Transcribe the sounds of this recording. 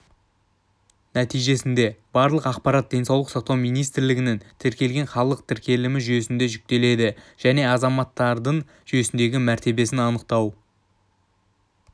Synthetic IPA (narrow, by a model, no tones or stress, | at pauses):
næt̪ijʒe̞sɪnd̪e̞bɑɾlˠəqɑq̚pɑɾɑt̪̚d̪ʲe̞nsɑwlˠəqsɑq̚t̪ɑwmijnijst̪ɪɾlɪɡʲɪnent̪ʰɪɾkʲe̞lɡʲe̞ɴχɑlˠəq̚t̪ʰɪɾkʲe̞lɪmɪʒʏje̞sɪnd̪e̞ʒʏk̚t̪e̞le̞d̪ɪʒ̥æne̞ɑzɑmɑt̪ːɑɾd̪əɴ | ʒʏje̞sɪnd̪e̞ɡʲɪmæɾt̪e̞be̞sɪnɑnəqt̪ɑw